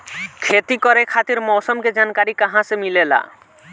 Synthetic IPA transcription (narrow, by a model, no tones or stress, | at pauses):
kʰet̪ikoɾekʰat̪iɾmɔsomked͡ʑankaɾikaɦãsemilela̰